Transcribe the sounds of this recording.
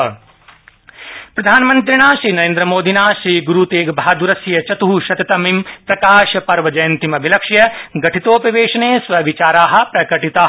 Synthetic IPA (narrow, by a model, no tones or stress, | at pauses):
pɾɐd̪ʱaːnmɐnt̪ɾiɳ̃aːʃɾiːnɐɾẽːnd̪ɾɐmoːd̪ʱinaːʃɾiːɡuɾuːt̪eːɡbʱaad̪uɾɐsjɐt͡ʃɐt̪uɦuʃɐt̪ɐt̪ɐmimpɾɐkaːʃɐpɐɾʋɐd͡ʒɐjɐnt̪imɐbʱilɐkʂjɐɡɐʈʰit̪oːpɾɐʋeːʃɐneːsʋɐʋit͡ʃaːɾaːɦɐ̆pɾɐkɐʈit̪aːɦ